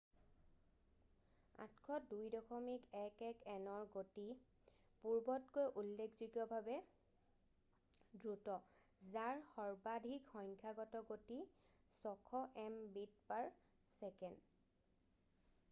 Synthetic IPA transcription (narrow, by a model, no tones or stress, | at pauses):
a̰tkʰɔdujdɔkʰɔmikɛkɛkɛnɔɹɡoti | puɹbɔtkojʔulːekʰzuɡɔbʱabɛ | dɹutɔ | zaɹxɔɹbadʱikxɔjŋkʰaɡɔtɔɡoti | sɔkʰɔʔɛmbit̚paɹ | sɛkɛnd